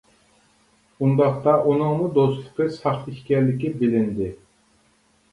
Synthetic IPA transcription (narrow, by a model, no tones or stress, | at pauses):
und̪ɑχt̪ɑʔunɨŋmud̪ost̪ˠɨqɨsɑχiʃʲkʲɛɾlɪkʲibɪlɪnd̪ɪ